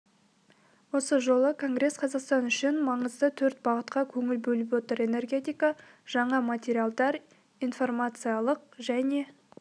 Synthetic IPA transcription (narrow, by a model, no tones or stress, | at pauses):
wo̞səʒo̞lˠəkʰo̞ŋɡɾe̞sqʰɑzɑqst̪ɑnʏʃɪnmɑɴəzd̪ət̪ʰɵɾt̪̚bɑʁət̪̚qɑkʲʰɵŋɪlbɵlɪp̬wo̞t̪əɾe̞ne̞rɡʲe̞t̪ijkɑ | ʒ̥ɑɴɑmat̪ʲeɾʲijalˠd̪ɑɾ | ijnfo̞rmat̪sɨjalˠəq̚ʒæne̞